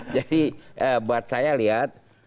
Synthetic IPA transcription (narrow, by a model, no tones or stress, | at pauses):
d͡ʒadiəbuat̪̚sajaliat̪̚